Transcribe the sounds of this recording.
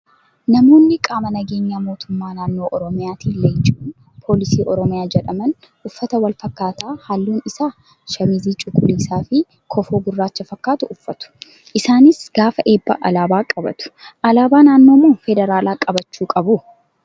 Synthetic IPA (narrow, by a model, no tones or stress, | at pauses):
nɐmo̞ːnːɪkʼaːmɐnɐɡe̞ːɲːaːmo̞ːt̪ʊmːaːnaːnːo̞ːʔɔɾɔmɪjaːt̪iːlejt͡ʃʼuːn | pʰo̞ːlɪsiːʔɔɾɔmɪjaːd͡ʒɛᶑɐmɐn | ʔʊfːɐt̪ɐwɐlfɐkːaːt̪aːhalːuːnɪsaː | ʃɐmiziːt͡ʃʼʊkʼːʊliːsaːfɪ | kʰɔfoːɡʊrːaːt͡ʃːɐfɐkːaːt̪ʊʔʊfːɐt̪ʊ̥ | ʔɪsaːnɪsɡ̥aːfɐʔe̞ːbːɐ̰ʔɐ̰laːbaːkʼɐbɐ̰t̪ʊ̥ʔɐlaːbaːnaːnːo̞ːmo̞ːfɛd̪ɛɾaːlaːkʼɐbɐt͡ʃːuːkʼɐbʊ